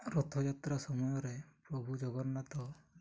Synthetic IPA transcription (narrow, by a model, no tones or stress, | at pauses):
ɾɔt̪ʰɔd͡ʒat̪ɾasɔmɔjɔɾepɾɔbʱud͡ʒɔɡɔɾnat̪ɔ